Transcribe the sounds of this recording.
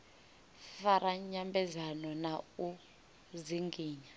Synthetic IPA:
faɾaɲambɛzanɔnau | ziŋɡiːɲa

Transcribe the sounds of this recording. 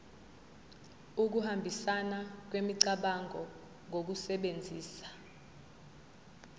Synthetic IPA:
uk̬uhambʱisanak̬wemiǀaɓaŋʱɔ | ŋʱok̬usɛɓend͡zʱiːsḁ

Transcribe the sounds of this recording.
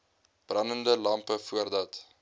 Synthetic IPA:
b̥rɐnəndəlɐmpəfuərdɐt

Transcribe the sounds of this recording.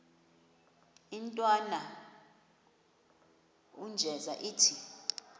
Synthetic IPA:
intʼwana | und͡ʒʱɛzaʔiːtʰi

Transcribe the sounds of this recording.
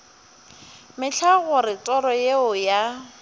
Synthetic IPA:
mɪt͡ɬʰaɣʊɾɪtʼɔɾɔjeʊja

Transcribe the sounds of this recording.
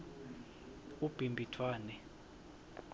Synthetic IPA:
ub̥ʱimbʱitʰwaːnɛ

